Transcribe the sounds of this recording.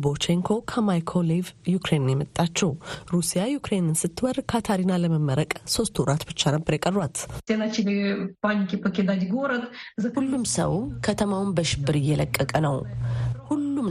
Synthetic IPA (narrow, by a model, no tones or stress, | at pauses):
bot͡ʃeŋkʰo̞kʰəmajkʰolevjukɾennjɛmət̪ʼːat͡ʃːɛwɾusijajukɾenɨnsɨt̪ʰːɨwəɾkʰat̪ʰaɾinaləməmːəɾəkʼso̞st̪ʰwɾat̪bɨt͡ʃːanəbːəɾjakʼərːwat̪senat͡ʃilepanʲikʲʼipəkʲed̪at̪ʲɡoɾət̪zɐulːumsə̰wkʰət̪ʰəmawnbəʃɪbːɨɾɨjːɛləkʼːəkʼənəwhulːum